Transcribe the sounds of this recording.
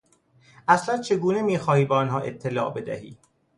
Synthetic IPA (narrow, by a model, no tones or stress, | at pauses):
ʔæslænt͡ʃʰe̞ɡuːne̞miːxɒːhiːbeɒnɦɒːʔe̞̰t̪ʰːe̞lɒ̰ːʔbe̞d̪æ̰hḭː